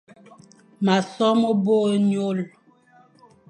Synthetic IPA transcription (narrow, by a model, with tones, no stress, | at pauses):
ma˨sɔ˦mo˦bo˦ɲo˦l